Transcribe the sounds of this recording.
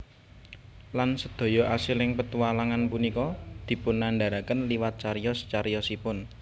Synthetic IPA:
lansəd̪̥o̤jɔʔasɪlɪŋpət̪uwalaŋanpunikɔd̪̥i̤pʊnːaɳɖa̤ɾakənliwat̪̚t͡ʃaɾjɔst͡ʃaɾjɔsipʊn

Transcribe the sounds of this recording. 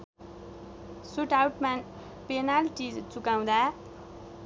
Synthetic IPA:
suʈawʈman | penalʈit͡sukaw̃d̪a

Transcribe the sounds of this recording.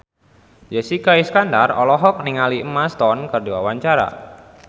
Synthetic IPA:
jasikaiskandarɔ̰lɔɦɔk̚niŋaliəmast̪ɔnkərdiwawaɲt͡ʃaɾa̰

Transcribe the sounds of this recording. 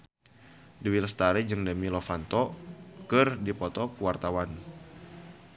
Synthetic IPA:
duwilst̪aɾɛd͡ʒɨŋdəmilɔfant̪ɔkɨrdipɔt̪ɔkuwart̪awan

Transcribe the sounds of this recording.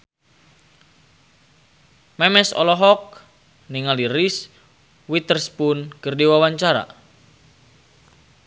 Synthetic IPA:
mɛmɛsɔ̰lɔɦɔk̚ | niŋaliɾis | wit̪ərspunkɨrdiwawaɲt͡ʃaɾa̰

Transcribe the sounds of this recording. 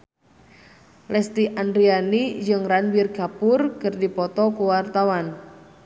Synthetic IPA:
lɛst̪iʔandɾianid͡ʒɨŋranbirɡ̥apʊrkɨrdipɔt̪ɔkuwart̪awan

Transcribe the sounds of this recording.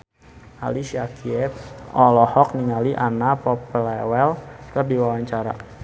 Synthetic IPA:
a̰lisiakiɛp̚ʔɔlɔhɔk̚niŋaliʔanapɔplɛwɛlkərdiwawaɲt͡ʃaɾa̰

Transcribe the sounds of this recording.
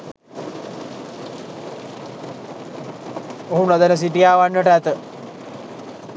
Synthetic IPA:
oɦunɐd̪ənəs̬iʈijaːʋanːəʈəæt̪ə

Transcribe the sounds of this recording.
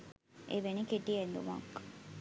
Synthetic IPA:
ʔeʋenikiɖiend̪umɐ̰kː

